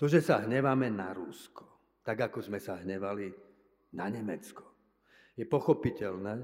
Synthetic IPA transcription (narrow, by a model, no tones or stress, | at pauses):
t̪ɔʒɛsaɦɲɛʋamɛnaɾuskɔ̥ | t̪aɡakɔzmɛsaɦɲɛʋali | naɲɛmɛt͡skɔ̥ | jɛpɔxɔpicɛlnɛː